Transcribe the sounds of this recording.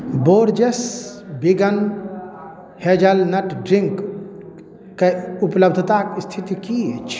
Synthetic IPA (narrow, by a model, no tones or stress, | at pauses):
boɾd͡ʒesbiɡən | hed͡ʒəlnəʈɖɾiŋk | keupləbd̪ʱt̪akst̪ʰit̪ikiet͡ʃʰ